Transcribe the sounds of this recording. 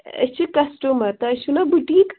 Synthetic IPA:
ɐ̰t͡ʃʰikɐsʈumɐɾt̪ɐɐʃunɐbuʈiːk

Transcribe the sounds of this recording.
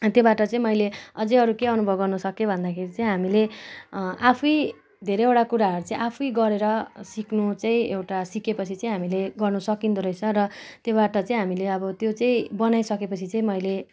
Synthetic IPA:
t̪jobaʈʌt͡sãĩmʌjleʌd͡zʌʌɾukeʌnubʱʌbɡʌrnusʌkebʱʌnd̪akʰeɾit͡saĩɦamile | ʔapʰuj | d̪ʱeɾeewʈakuɾaɦʌɾut͡saĩʔapʰujɡʌɾeɾʌsiknut͡saĩḛwʈasikepʌt͡sʰit͡sãĩɦamileɡʌrnusʌkint̪oɾʌjt͡sʰʌɾʌt̪jobaʈʌt͡saĩɦamileʌbʌt̪jot͡saĩbʌnajsʌkepʌt͡sʰit͡saĩmʌjle

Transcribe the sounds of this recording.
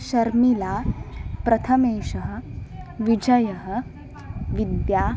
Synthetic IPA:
ʃɐɾmilapɾɐt̪ʰɐmeːʃɐɦə̆ʋid͡ʑɐjɐɦə̆ | ʋid̪jaː

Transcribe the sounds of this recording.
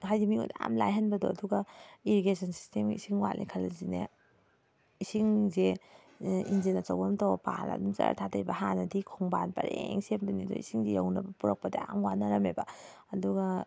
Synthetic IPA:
hajdimiudamlajɦɐnbɐdɔɐduɡaiɾiɡesʰɐnsi̥stemḭsiŋwa̰lʔikʰalazine | isiŋze | inzinat͡ʃawamtawbɐpa̰la̰dumzɐ̰ɾa̰tʰatʰaɾibɐhanɐdikʰɔŋbanpɐ̰ɾeŋsemdunidɔ̰ḭsiŋzejawnɐbɐpuɾɐk̚pɐdiamwanaɾɐmeba | ɐduɡa

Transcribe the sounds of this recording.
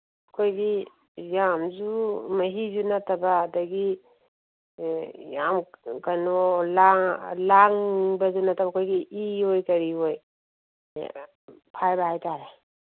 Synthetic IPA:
ɐkʰojɡi | jamzumɐɦizunɐtɐbɐːdɐɡi | jamkɐnolalaŋbɐzunɐtʰabɐkʰojɡiʔiojkɐɾioj̰ | pʰajbɐhajtaɾe

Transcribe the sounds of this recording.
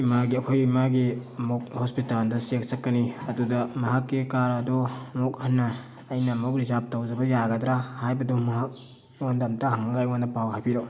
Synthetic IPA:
imaɡiɐkʰojimaɡiɐmuk̚hospitaldɐsek̚sɐkːɐniɐdudɐmɐɦakːikaɾɐdoɐmuk̚hɐnːɐː | jnɐːmok̚ɾizap̚towd͡ʒɐbɐjaɡɐdɾahajbɐdumɐɦak̚ | ondɐmtɐhɐŋɡajondɐpawɦajpiɾo

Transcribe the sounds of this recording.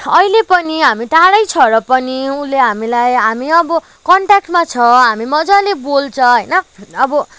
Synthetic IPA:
ʌjlepʌniɦamit̪aɽʌjt͡sʰʌɾʌpʌniuleɦamilajɦamiʌbʌ | kʌɳʈak̚ʈmat͡sʰʌɦamimʌd͡zalebolt͡sʰʌɦʌjnʌʌbʌ

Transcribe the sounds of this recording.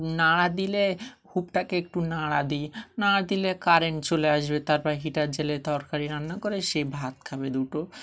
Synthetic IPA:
naɽad̪ilehubʈakeek̚ʈunaɽad̪inaɽad̪ilekaɾent͡ɕoleaʃbet̪aɾpaɾɦiʈaɾd͡ʑelet̪ɔɾkaɾiɾanːakoɾeʃebʱat̪kʰabed̪uʈo

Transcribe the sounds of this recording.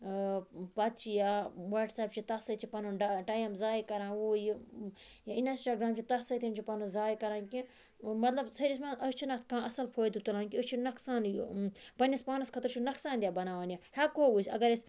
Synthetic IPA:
pɐt̪̚t͡ʃʰijaːwɐɖsaːp̚t͡ʃʰit̪ɐsɐt͡ʃʰipɐnuɖaʈaːjɐmzaːjkɐɾãːnwuːjijainɐsʈaːɡɾaːmt͡ʃʰit̪ɐsɐt̪ʰimt͡ʃʰipɐnuzaːjkɐɾãːnkĩ | mɐt̪lɐbsɐɾismaʔɐst͡ʃʰinɐt̪ʰkãːɐsɐlpʰoːjd̪ut̪ulãːnkʲiɐt͡ʃʰinɐksaːnjpɐnispaːnɐskʰɐt̪ɐɾt͡ʃʰunɐksaːnd̪ʲjaːbɐnaːʋanʲjahakoːusʲɐ̰ɡɐɾes

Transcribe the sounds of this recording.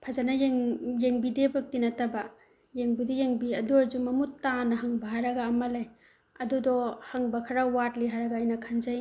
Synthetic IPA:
pʰazanɐjeŋjeŋbidebɐk̚tinɐtɐba | jeŋbidejeŋbiɐduaɾd͡ʒumɐmuttːanɐɦɐŋbaɦaɾɐɡaːmɐle | ɐdudɔhaŋbɐkʰɐɾawatliɦaɾɐɡaːjnɐkʰanzɐj

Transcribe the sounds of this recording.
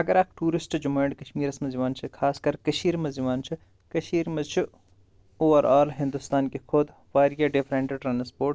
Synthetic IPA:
ɐɡɐɾaːkʈuːɾɪsʈd͡ʒʊmɐːɳɖkɐʃmiːɾɐsmɐziʋaːnt͡ʃʰikʰaːskɐɾkɐʃiːɾmɐziʋaːnt͡ʃʰi | kɐʃiːɾmɐzt͡ʃʰi | oːʋɐɾʔaːlɦɪ̃nd̪ʊst̪aːnkexʰʊd̪ | ʋaːɾijaɖɪfʰɾẽːɳʈeʈɾaːnspoːɾʈ

